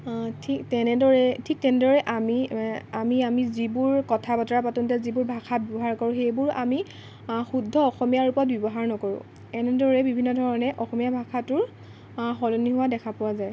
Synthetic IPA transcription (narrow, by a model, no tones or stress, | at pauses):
tʰiktɛnɛdɔɹɛtʰik̚tɛnɛdɔɹɛʔamiamiamizibʊɹkɔtʰabatɔɹapatũntɛzibʊɹbʱakʰabjɔbɔɦaɹkɔɹʊ̃xejbʊɹami | xudʱːɔɔxɔmijaɹupɔɹɔt̚bɔbɔɦaɹnɔkɔɹʊ̰̃ | ɛnɛdɔɹɛbibʱinːɔdʱɔɹɔnɛʔɔxɔmijabʱakʰatʊɹ | xɔlɔniɦʊwadɛkʰapʊwazaj